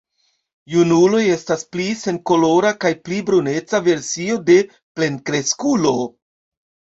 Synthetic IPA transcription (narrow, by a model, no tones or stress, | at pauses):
junulo̞je̞stasplise̞ŋko̞lo̞ɾakajplibɾune̞t͡save̞ɾsio̞de̞ | ple̞nkɾe̞skulo̞